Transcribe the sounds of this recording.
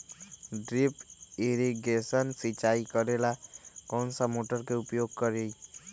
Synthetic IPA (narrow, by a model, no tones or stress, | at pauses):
ɖɾipiɾiɡesɔnsit͡ʃajkɔɾelakɔnsɔmoʈɔɾkeupjoɡ̚kɔɾej